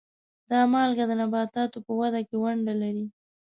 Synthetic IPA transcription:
d̪ɑmɑlɡad̪ənabɑt̪ɑt̪opəwad̪akewaɳɖalaɾi

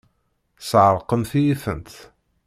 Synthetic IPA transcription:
sʕəɾˤqːəmθijiθə̰nt̪

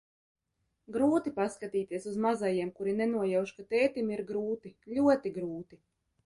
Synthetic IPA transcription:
ɡɾuːt̪ipaskat̪iːt̪iɛsuzmazajiɛmkuɾinɛnuɔjawʃkat̪ɛːt̪imiɾɡɾuːt̪ilʲuɔt̪iɡɾuːt̪i

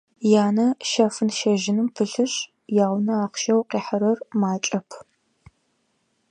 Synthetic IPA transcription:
jaːnɐʃɐfɨnʃɐʒɪnɨmpʰɨɬɨɕ | jaːwʷnɐaːqʃɐwqiːħɐɾɐrmaːt͡ʃʼɐpʰ

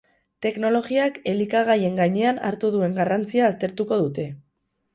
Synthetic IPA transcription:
t̪e̞kno̞lo̞ɣiake̞likaɣ̞aje̞ŋɡaɲe̞ana̰ɾt̪uðue̞ŋɡarant͡siaːst̪e̞ɾt̪uko̞ð̞ut̪e̞

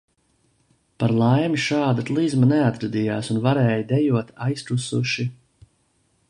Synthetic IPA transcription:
paɾlˠajmiʃaːd̪at̪lˠizmanɛat̪ɾad̪ijaːsunvaɾɛːjd̪ɛjuɔt̪ajst̪ɾusuʃi

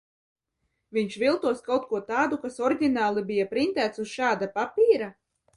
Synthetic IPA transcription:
vʲiɲʃvʲilˠt̪uɔskawt̪̚kuɔt̪aːd̪ukasɔɾdʲinaːlˠibijapɾint̪æːt̪susʃaːd̪apapʲiːɾa

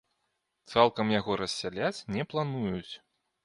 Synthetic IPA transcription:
t̪salˠkɐmjaɣɔɾɐsʲːalʲat͡sʲnʲɛplˠanujut͡sʲ

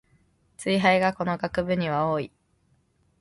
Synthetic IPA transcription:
t͡sɨiɦaiɡako̞no̞ɡakɯ̟bɯ̟ɲ̟iβ̞ao̞ːi

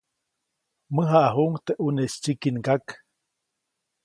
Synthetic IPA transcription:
məɦaʔaɦuŋt̪eʔunest͡ʃikinkak

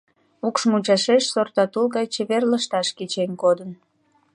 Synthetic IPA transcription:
ukʃmut͡ɕɑʃeʃsort̪ɑt̪ulɣɑjt͡ɕeβerləʃt̪ɑʃket͡ɕenkod̪ən

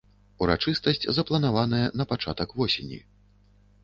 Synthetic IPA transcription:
uɾa̰t͡ʂɨst̪ɐsʲt͡sʲzɐplˠɐn̪avanɐjɐnɐpat͡ʂa̰t̪ɐkvɔsʲenʲḭ

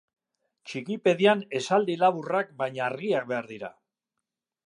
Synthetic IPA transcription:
t͡ʃikipe̞ðiane̞sald̪ilaβurak̚bajɲaaːrɣiak̚be̞aɾðiɾa̰

